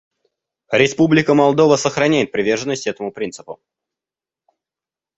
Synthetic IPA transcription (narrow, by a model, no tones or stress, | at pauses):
ɾʲɪspublʲɪkəmɐlˠd̪o̞vəsəxɾɐnʲæjɪt̪̚pɾʲɪvʲe̞rʐənːəsʲtʲɛt̪əmʊpɾʲint̪sɨ̥pʊ̰